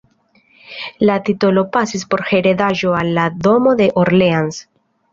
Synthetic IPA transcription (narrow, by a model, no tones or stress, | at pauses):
lat̪it̪olopasispo̞ɾxeɾeðaʒoalːaðomoðeʔoɾleans